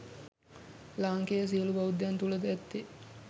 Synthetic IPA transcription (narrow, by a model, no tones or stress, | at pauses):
laːŋkejəs̬iəlubaud̪jant̪uləd̪əɛt̪ːi